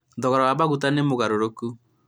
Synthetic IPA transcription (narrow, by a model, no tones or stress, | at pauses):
ðɔɣɔɾɔwaβaɣut̬anemoɣaɾoɾoku